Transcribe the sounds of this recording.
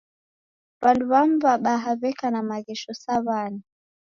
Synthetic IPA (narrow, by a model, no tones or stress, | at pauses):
βanduβambaɓaɦaβɛkanamaɣɛʃɔsaβani